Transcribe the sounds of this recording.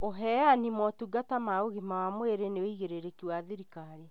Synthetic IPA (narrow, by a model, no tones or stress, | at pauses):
oɦɛanimwɔtuɡatamaoɣimawamweɾeneoiɣeɾeɾekiwaðiɾikaɾe